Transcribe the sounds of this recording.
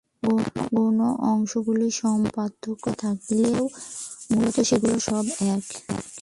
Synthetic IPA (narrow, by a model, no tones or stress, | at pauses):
ɡoɡonoʔɔŋʃoɡuliʃɔmpat̪ʰːokːot̪ʰak̚lewmulot̪oʃeɡuloʃɔbɛk